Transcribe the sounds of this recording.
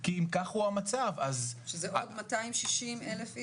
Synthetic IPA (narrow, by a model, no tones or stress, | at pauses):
kiːmkaχhuamat͡savazʃezeʔoodmataimʃiʃimelefi